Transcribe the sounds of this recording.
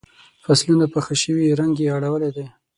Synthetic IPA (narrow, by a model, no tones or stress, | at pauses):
faslunapəxəʃəwiɾaŋɡeaɽawəled̪e